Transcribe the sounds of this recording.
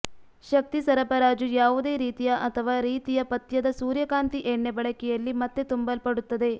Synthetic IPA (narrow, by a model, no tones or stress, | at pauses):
ʃɐk̚t̪isɐɾɐpɐɾaːd͡ʒujaːʋud̪e̞ːɾiːt̪ijɐʔɐt̪ʰɐʋaːɾiːt̪ijɐpɐt̪jɐd̪ɐsuːɾjɐkaːnt̪iʔeːɳːebɐɭɐkɛjɐlːimɐt̪ːet̪umbɐlpɐɽut̪ːɐd̪e̞